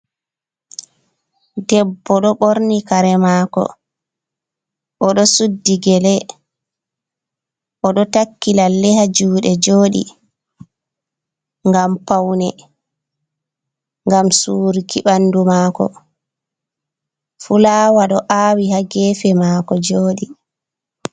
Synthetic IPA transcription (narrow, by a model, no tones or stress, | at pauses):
dɛbːɔɗɔɓoɾnikaɾɛmaːkɔ̰ | ʔɔɗɔsudːiɡɛlɛ | ʔɔɗɔtakːilalːɛhad͡ʒuːɗɛd͡ʒoːɗḭ | ŋɡampawnɛ | ŋɡamsuːɾikiɓandumaːkɔ̰ | fulaːwaɗɔʔaːwihaɡɛːfɛmaːkɔd͡ʒoːɗi